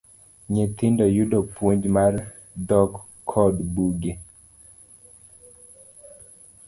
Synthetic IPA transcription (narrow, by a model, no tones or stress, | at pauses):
ɲet̪ɪndɔjudɔpwoɲd͡ʒmar | dɔkʰː | ɔdbuɡe